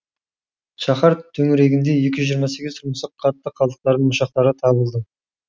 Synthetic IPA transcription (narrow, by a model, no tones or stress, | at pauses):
ʃɑχɑɾt̪ʰɵŋɪɾe̞ɡʲɪnd̪e̞je̞kʲɪʒʒijəɾmɑse̞ɡʲɪzt̪ʰʊɾməsəqqʰːɑt̪ːəqʰːɑlˠəqt̪ɑɾd̪əɴmʊʃɑq̚t̪ɑɾət̪ʰɑβəlˠd̪ə